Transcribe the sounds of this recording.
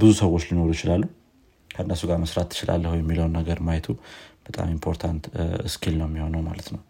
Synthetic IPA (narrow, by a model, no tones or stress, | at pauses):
bɨzusəwːot͡ʃːlino̞ɾujɪt͡ʃɪlalːuhu | kʰəɨnːəsuɡaɾməsɾat̪ʰːɨ̥t͡ʃɪlʔa̰lːəhujɛmːiləwnːəɡəɾmajɛt̪ʰub̥ət̪ʼa̰mimpʰo̞ɾt̪ʰant̪ɨskʰilnəwmːiho̞nəwma̰lət̪nəw